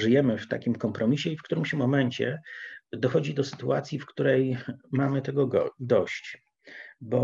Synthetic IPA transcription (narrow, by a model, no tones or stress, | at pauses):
ʐɘjɛmɘft̪a̰kʲimkɔmpɾɔmʲiɕɛifkt̪uɾɘmɕɛmɔmɛɲt͡ɕɛ̰d̪ɔxɔd͡ʑid̪ɔsɘ̥t̪uat̪sʲjifkt̪uɾɛjmamɘt̪ɛɡɔɡɔd̪ɔɕt͡ɕ | bɔ